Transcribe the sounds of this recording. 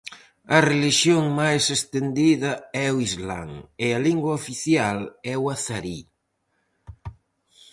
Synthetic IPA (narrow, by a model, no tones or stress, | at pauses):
ɐreliʃjoŋmajsest̪end̪iðɐɛoizla̰ŋɪɐliŋɡwɐofiθjalɛwaθaɾi